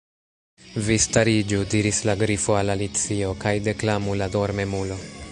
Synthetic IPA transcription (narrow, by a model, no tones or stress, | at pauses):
vistaɾid͡ʒudiɾislaɡɾifoalalit͡sio̞kajde̞klamulado̞ɾme̞mulo̞